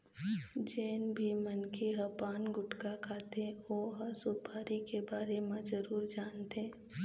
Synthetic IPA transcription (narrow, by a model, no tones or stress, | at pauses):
d͡ʒeːnbʱimənkeɦɐpaːnɡʊʈkakʰaːt̪eoɦɐsʊpʰaːɾikebaːɾemãd͡ʒəɾuːɾd͡ʒaːnt̪eː